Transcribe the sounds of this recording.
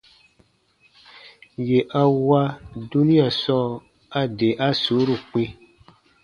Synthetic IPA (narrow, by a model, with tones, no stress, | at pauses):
je˨ʔa˦wa˦du˦nĩ˦a˨sɔ˦˨ | a˦de˨ʔa˦so˨˦ɾu˦˨k͡pĩ˦